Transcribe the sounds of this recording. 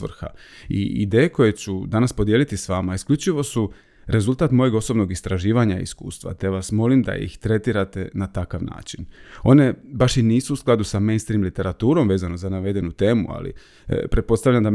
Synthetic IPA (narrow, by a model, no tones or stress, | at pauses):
ʋr̩xa̰ | ḭḭd̪e̞ːjeko̞je̞t͡ɕud̪anaspo̞d̪je̞lit̪isʋamaiskʎʲut͡ʃiʋo̞su | ɾe̞zult̪aːt̪mo̞je̞ɡo̞so̞bno̞ɡist̪ɾaʒiːʋaɲa̰ḭskṵːst̪ʋa̰t̪eaʋasmo̞limd̪a̰ḭxt̪ɾe̞t̪iɾat̪e̞nat̪akaʋna̰ːt͡ʃino̞ne̞baʃiniːsuːsklˠad̪usamejnst̪ɾiːmlit̪e̞ɾat̪uːɾo̞mʋe̞ːzano̞zanaʋe̞d̪e̞nut̪e̞ːmua̰lḭ | pɾet̪̚po̞t̪aʋʎʲamd̪a